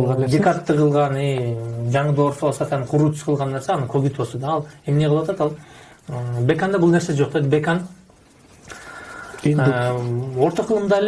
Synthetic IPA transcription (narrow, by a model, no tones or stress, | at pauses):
ɑd̪ʲekaɾt̪ːɯqɯlˠʁɑnijd͡ʒɑɴɯd̪o̞ɾfosɑt̪ɑnqʰuɾuːt̪ʰy̥sqʰɯlˠʁɑnːe̞ɾseɑnɯkʰøɡit̪bo̞lˠsod̪ɑːlˠe̞mne̞ʁʰlˠʋɑt̪ɑt̪ɑlˠ | bʲe̞kand̪ɑbulˠnesesd͡ʒo̞q̚d̪ed̪bekan | o̞ɾt̪oqʰɯlˠɯmd̪ɑl